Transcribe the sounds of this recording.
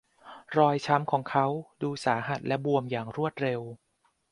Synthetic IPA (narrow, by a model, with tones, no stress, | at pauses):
ɾɔː˧jt͡ɕʰa˦˥mkʰɔː˩˦ŋkʰa˦˥wduː˧saː˩˦ɦa˨˩t̪̚lʔɛ˦˥bu˧əmjaː˨˩ŋɾu˥˩ət̪̚ɾe˧w